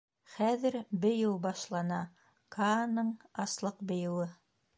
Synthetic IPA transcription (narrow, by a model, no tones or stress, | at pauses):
χæðɘɾbɘ̆jɘwbɑʃlˠɑnɑ | kʰanɤɴɑslˠɤqbɘ̆jɘ̆wɘ